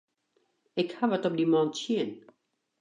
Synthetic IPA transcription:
ɪkhaʋətɔp̚dimɔntsiən

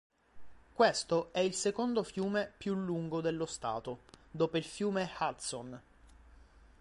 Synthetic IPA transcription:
kwest̪oɛilsekond̪ofjuːmepjulːuŋɡod̪elːost̪a̰ːt̪od̪oːpoilfjuːmexat̪son

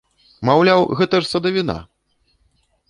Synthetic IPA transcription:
mawlʲawɣɛt̪ɐʂsɐd̪ɐvʲina̰

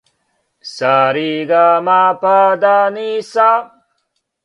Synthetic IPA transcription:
saːɾiɡaːmapaːd̪aːnisa

